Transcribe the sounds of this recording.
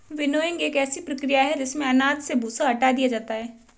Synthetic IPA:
ʋɪnoːjɪ̃ŋɡeːkɛːsipɾɐkɾijaɦɛd͡ʒɪsmẽɐnaːd̪sebʱuːsaɐʈad̪ijad͡ʒaːt̪aɦɛː

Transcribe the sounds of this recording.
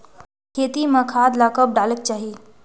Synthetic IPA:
kʰet̪imə̃kʰad̪lakəp̚ɖʱalək̚t͡ʃaːɦi

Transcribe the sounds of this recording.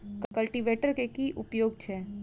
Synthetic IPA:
kkɐlʈiʋeːʈəɾkekiʔʊpjoːɡ̚t͡ʃʰɛː

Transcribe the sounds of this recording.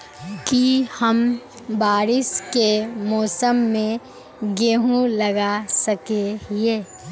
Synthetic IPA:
kihəm | baːɾɪskemɔːsəmːẽ | ɡeːɦũlɐɡasɐkeɦeː

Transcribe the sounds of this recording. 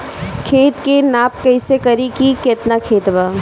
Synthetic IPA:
kʰeːt̪kenaːp̚kɐɪsekɐɾikikeːt̪nakʰeːt̪baː

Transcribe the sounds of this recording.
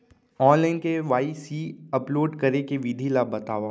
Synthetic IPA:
ɔːnlaːɪnkeʋaːisiːɐploːɖkɐɾekeʋid̪ʱilaːbɐt̪aːʋa

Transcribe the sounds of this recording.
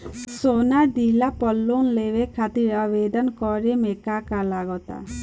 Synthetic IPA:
sonad̪ilapɔlːonlebekʰat̪iɾabed̪ɔnkɔɾemekakalaɡɔt̪a̰

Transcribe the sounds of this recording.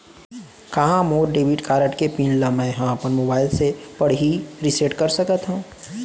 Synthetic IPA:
kɐɦãmoːɾɖeːbiʈkaːɾəʈkepiːnlamɛ̃ɦãɐpənmoːbaːɪlsepɐɽɦiɾɪseʈkɐɾsɐkət̪ɦũ

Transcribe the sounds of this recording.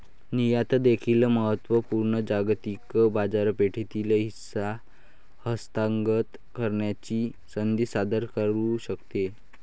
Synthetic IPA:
nijat̪əd̪ekʰiləməɦət̪ʋəpuɾɳəd͡ʑaɡt̪ikbad͡zaɾpeʈʰit̪iləɦisa | həst̪aŋɡət̪ | kəɾɳjat͡ɕiː | sənd̪isad̪əɾkəɾuɕəkt̪e

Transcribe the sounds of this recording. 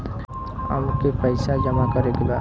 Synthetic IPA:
a̰mkepajsad͡ʒɔmakɔɾekiba

